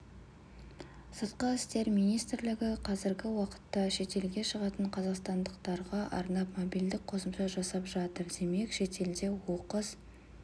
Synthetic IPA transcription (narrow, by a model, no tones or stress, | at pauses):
sət̪̚qɑɪst̪e̞ɾmijnijst̪ɾlɪɡʲɪqʰɑzɪɾɡʲɪwɑqə̥t̪ːɑʃe̞t̪e̞lɡʲe̞ʃəʁɑt̪əɴqʰɑzɑqst̪ɑnd̪əqt̪ɑɾʁɑʔɑ̰ɾnɑpmobild̪ɪk̚qʰo̞səmʃɑʒɑsɑpʒɑt̪əɾd̪e̞me̞kʃe̞t̪e̞ld̪e̞wo̞qəz̥